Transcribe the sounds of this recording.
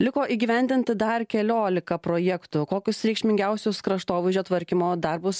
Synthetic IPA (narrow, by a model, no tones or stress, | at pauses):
lʲɪkoːʔiːɡʲɪːʋʲɛnʲd̪ʲɪnʲt̪ʲɪd̪ɐrkʲɛlʲoːlʲɪkɐpɾoːjɛkt̪ʊkoːkʲʊsɾʲɛkʃʲmʲɪŋʲɡʲɛˑʊsʲʊskɾɐʃt̪oːʋʲɪʒʲoːt̪ʋɐɾʲkʲɪmoːd̪ɐɾbʊs